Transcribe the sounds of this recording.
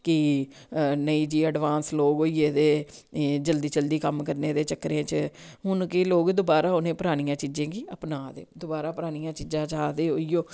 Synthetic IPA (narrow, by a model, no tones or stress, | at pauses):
ki | nəiːd͡ʒiːəɖʋãːnsloːɡoːiːeːd̪eːd͡ʒəld̪iːt͡ʃəld̪iːkəmkəɾneːd̪eːt͡ʃəkːɾẽːt͡ʃəɦʊnkɪloːɡd̪obaːɾaːonẽːpəɾaːɽ̃ĩjãːt͡ʃiːd͡ʒẽːɡiːəpnãːd̪ḛːd̪obaːɾaːpɾaːɽ̃ijãːt͡ʃiːd͡ʒãːt͡ʃaːd̪eːoːiːjoː